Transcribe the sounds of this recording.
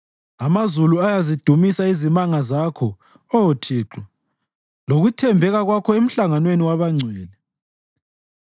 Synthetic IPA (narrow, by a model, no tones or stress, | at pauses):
amazuluajazid̥ʱumisaizimaŋazakʰɔ | ɔjotʰiːǁɔ | loɣutʰɛmbʱɛɣaɣwakʰɔem̩ɬaŋanweniwaβaŋ͡ǀʱwɛːlɛ